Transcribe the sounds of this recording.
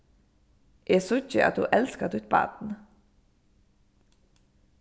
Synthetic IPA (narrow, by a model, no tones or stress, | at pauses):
ʔeːsʊçəʔɑ̰t̪hṵːʔɛlskət̪ʉt̪̚bɑ̰ːt̪n̩